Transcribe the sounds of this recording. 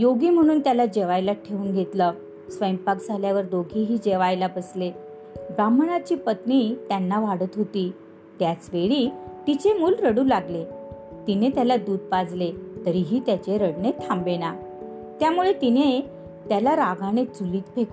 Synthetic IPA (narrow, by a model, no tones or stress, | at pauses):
joɡiːm̤əɽ̃uːnt̪jalad͡ʑeʋajlaʈʰeuːnɡʱet̪lə | sʋəjmpakd͡zʱaljaʋəɾd̪oɡʱiɦiːd͡ʑeʋajlabəsle | ɡɾamɳat͡ɕiːpət̪niːt̪janːaʋaɽət̪ɦot̪iː | t̪jat͡sʋeɭiːt̪it͡ɕemuːlɾəɽuːlaɡlet̪inet̪jalad̪uːd̪̚pad͡zlet̪əɾiɦiːt̪jat͡ɕeɾəɽnet̪ʰːambena | t̪jamuɭet̪ine | t̪jalaɾaɡʱanet͡suliːt̪pʰek